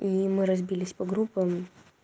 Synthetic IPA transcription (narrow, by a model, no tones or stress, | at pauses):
imɨɾɐzbʲilʲɪsʲpɐɡɾupːəm